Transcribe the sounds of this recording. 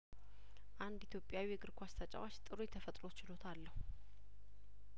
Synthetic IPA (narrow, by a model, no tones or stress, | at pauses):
ʔand̪it̪ʰjopʼːjawijɛɡɨɾkʷʰast̪ʰat͡ʃʼa̰wat͡ʃːt̪ʼɨɾojɛt̪ʰəfət̪ʼɾo̞t͡ʃɪlo̞t̪ʰalːəhu